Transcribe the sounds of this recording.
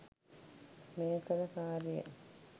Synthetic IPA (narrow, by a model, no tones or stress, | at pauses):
meːkəɾəkaːɾijḛ